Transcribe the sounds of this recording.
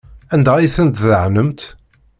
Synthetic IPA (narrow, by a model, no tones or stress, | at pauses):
ænd̪æiθənt̪ðəʕnəmt̪